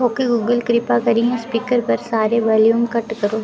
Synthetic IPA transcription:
oːkeɡuːɡəlkɾɪpakɐɾiɦɛ̃spiːkəɾpɐɾsaːɾeʋɐːljuːmkɐʈkɐɾoː

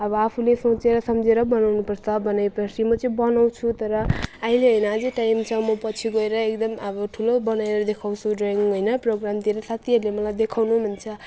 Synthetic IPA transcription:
ʌbʌapʰulesõt͡seɾʌsʌmd͡zeɾʌbʌnawnupʌrt͡sʰʌbʌnajpʌsimʌt͡sʌĩbʌnaw̃t͡sʰut̪ʌɾʌaɦileɦʌjnʌad͡zʌʈajmt͡sʰʌmʌpʌt͡sʰiɡʌeɾʌek̚d̪ʌmʌbʌʈʰulobʌnaeɾʌd̪ekʰawt͡sʰuɖraŋiɦʌjnʌproɡramt̪ieɾʌsat̪ʰiɦʌɾulemʌlajd̪ekʰawnumʱunt͡sʰʌ

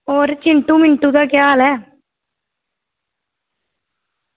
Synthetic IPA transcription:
ɔːɾt͡ʃɪɳʈũːmɪɳʈũːd̪aːkjaːlɛː

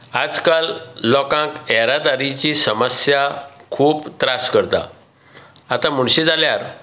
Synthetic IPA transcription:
ad͡zkalːɔkãkɛɾad̪aɾit͡ɕisəməsjakʰuːpt̪ɾaskəɾt̪a̰ | at̪ãm̤uɳ̃ɕid͡zaljaɾ

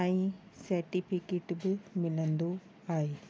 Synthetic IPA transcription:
aːĩsɐɾʈipʰikeːʈbɪmɪlə̃nd̪o | aːɦeː

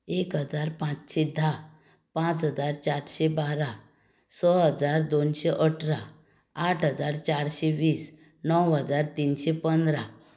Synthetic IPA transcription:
ekɦəd͡zaɾpãt͡sɕid̪ʱːa | pãt͡sɦəd͡zaɾt͡ɕaɾɕebaɾa | sɔɦəd͡zaɾd̪onɕeʔəʈʰɾa | aʈʰɦəd͡zaɾt͡ɕaɾɕeʋiːs | nəwɦəd͡zaɾt̪inɕepənd̪ɾa

